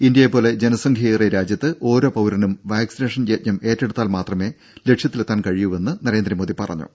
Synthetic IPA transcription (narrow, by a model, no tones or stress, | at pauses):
ind̪jɐjepːo̞ːle̞d͡ʑe̞nɐsɐŋɡʰʱɐreɾaːd͡ʑjɐt̪ːɨʔo̞ːɾo̞ːpɐwɾɐnumʋaːksine̞ːʂɐnt͡ɕeːt̚ɲɐme̞ːtːe̞ɽut̪ːaːlmaːt̪rɐme̞ː | le̞kʂjɐt̪ːilet̪ːaːnkɐɻijuʋe̞nːɨnɐɾe̞ːnd̪ɾɐmoːðipɐrɐ̰ɲːṵ